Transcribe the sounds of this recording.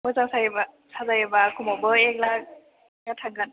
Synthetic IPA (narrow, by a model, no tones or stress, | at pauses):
mɯzaŋsajba | sazajɯbakʰumɔbɯek̚lak̚ | jatʰaɡɯn